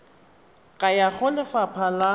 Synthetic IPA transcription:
kʼajaχʊlɪfapʰala

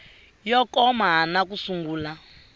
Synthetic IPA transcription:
jɔkɔmaɦanakusuŋɡuːla

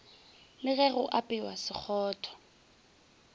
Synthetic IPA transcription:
lɪɣɛɣʊʔapʼɪwasɪk͡xʰɔːtʰɔ̥

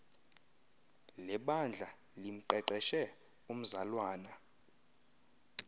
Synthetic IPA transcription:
lɛɓand͡ɮʱa | lim̩ǃɛǃɛʃɛ | um̩zalwaːna

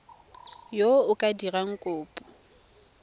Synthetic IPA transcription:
joʊkʼadiraŋ̩kʼʊːpʼʊ

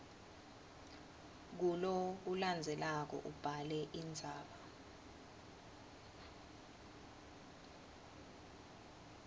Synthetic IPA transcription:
k̬ulok̬uland͡zʱɛlak̬ɔ̰ʔub̥ʱalɛʔind͡zʱaːɓa

